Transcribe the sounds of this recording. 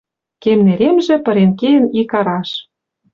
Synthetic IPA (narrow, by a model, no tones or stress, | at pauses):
kemneɾʲemʒĕpɤ̆ɾenkejə̆nikɑɾɑʃ